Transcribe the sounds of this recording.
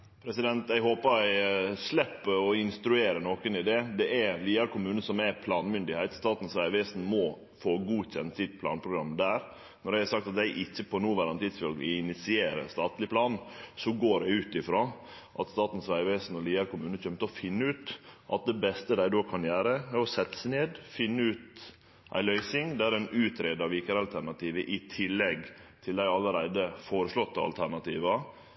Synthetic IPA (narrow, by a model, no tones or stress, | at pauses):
pʰɾɛsɪd̪ɛnt̪æɪɦoːpəɾæɪslɛpːɔɪnst̪ɾʉeːɾənoːkənɪd̪ɛd̪ɛʔæliːɑɾkʊmʉːnəsɔmæpʰlɑːnmʏnd̪ɪhæɪt̪st̪ɑːt̪n̩sʋæɪʋɛsn̩mɔ | foːɡuːçɛnt̪sɪt̪pʰlɑ̰ːnpʰɾʊɡɾɑmːd̪æːɾ | nɔɾɖæɪhɑsɑk̚t̪ɑt̪d̪æɪʔɪçːəpʰɔnuːʋæɾɑnt̪ʰɪd̪sfœlɡ̪ɪ̰ɪnɪt̪sɪeːɾə̰st̪ɑːt̪lɪpʰlɑːnsɔɡoːɖɛʉːt̪ɪfɾoː | ʔɑt̪st̪ɑːt̪n̩sʋæɪʋeːsn̩ɔliːəɾkʊmʉːnəçœmt̪əɔfɪnːəʉːt̪ʔɑt̪̚d̪ɛbɛst̪əd̪æɪd̪oːkʰɑnjæːɾəæɾɔsɛt̪ːə̥sneːd̪fɪnːəʉːt̪ | ʔæ̰ɪlœʏsɪŋd̪æɾæɪnʉːt̪ʰɾeːd̪ɑʋɪkəɾɑlt̪ʰæɾnɑt̪iːʋəʔɪt̪ʰɪlːɛɡt̪ʰɪld̪æɪɑləɾæɪd̪əfoːɾəʂlɔt̪ːɑɑ̰lt̪ʰæɾnɑt̪ʰḭːʋɑ